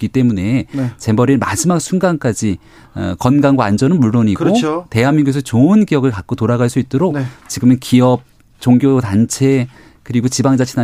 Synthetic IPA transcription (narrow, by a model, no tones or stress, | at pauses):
k͈it͈e̞mune̞t͡ɕe̞bʌɾinma̰d͡ʑimak̚sʰunɡank͈ad͡ʑi | ʌ̰kʌnɡaŋɡwaːnd͡ʑʌnɯnmuɭːoɲikoote̞ɦamːiŋɡues̬ʰʌt͡ɕoɯnɡiʌɡɯɭkak̚k͈otoɾaɡaɭs͈uit̚t͈oɾokt͡ɕiɡɯmɯnkiʌp̚ | t͡ɕoŋɡjotant͡ɕʰe̞ | kɯɾiɡot͡ɕibaŋd͡ʑat͡ɕʰina